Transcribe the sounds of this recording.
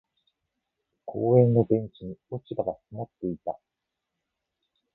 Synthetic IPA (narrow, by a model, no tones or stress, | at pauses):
kʰoːẽ̞nːo̞bẽ̞ɲ̟t͡ɕiɲ̟iot͡ɕibaɡasimat̪ːe̞it̪a̰